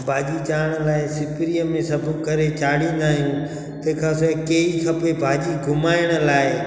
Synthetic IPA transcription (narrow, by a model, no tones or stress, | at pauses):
bʱaːd͡ʑit͡ɕaːɽ̃ə̆laːɪsɪpɾiəmẽsɐbʱukɐɾet͡ɕaːɽĩn̆d̪aːɦijũ | t̪ɐɪkʰãːskeːixʰɐpebʱaːd͡ʑiɡʱʊmaːɪɽ̃ə̆laːɪ